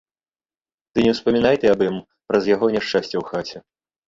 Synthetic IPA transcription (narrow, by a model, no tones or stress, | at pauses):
t̪ɨnʲɛwspɐmʲinajt̪ɛabɨm | pɾɐzjaɣɔnʲɛʂt͡ʂasʲt͡sʲɛwxat͡sʲɛ